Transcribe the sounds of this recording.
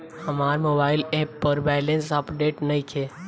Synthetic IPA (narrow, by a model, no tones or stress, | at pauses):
hɐmaːɾmoːbaːɪleːpːəɾbɛːlẽnsapɖeːʈnɐĩkʰeː